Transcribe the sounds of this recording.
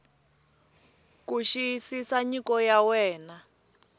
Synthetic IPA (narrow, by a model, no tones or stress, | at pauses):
kuʃisisaɲikɔjawɛːna